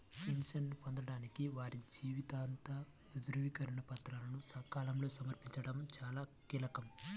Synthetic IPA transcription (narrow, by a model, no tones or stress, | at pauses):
kimsɐnːipond̪ɐɽaːnikiʋaːɾid͡ʒiːʋit̪aːnt̪ɐ | ʋid̪uɾɐʋikɐɾinɐpɐt̪ɾaːlɐnusɐkaːlɐmlo̞ːsɐmɐɾpiɲt͡ʃɐɽɐmt͡ʃaːlaː | kiːlɐkɐm